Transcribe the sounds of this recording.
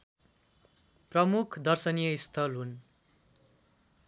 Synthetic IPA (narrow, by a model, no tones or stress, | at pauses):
prʌmukʰd̪ʌrsʌnijʌist̪ʰʌlɦun